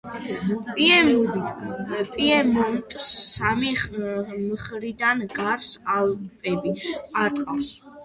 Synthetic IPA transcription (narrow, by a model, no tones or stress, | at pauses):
pʼiɛmu | pʼiɛmɔnt̪ʼsːami | mχɾid̪anɡaɾsalˠpʼɛbiaɾt̪ʼqʼafs